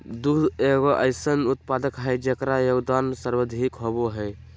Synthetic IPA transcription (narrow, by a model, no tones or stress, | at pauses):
d̪ud̪eɡɔʔəɪsənut̪pad̪əkɦɛjd͡ʒekɾajoɡd̪ansəɾbəd̪ʱikɦoboɦɛj